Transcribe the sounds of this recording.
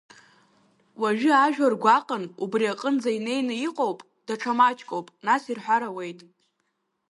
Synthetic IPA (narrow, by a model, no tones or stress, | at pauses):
waʒᶣʏaʒᶣarɡʷaqʼənubriaqʼənd͡zaine̞jnɨiqʼowpʼ | d̥aʈ͡ʂʰamat͡ʃʼkʼowpʼnasirħʷaɾawe̞jtʼ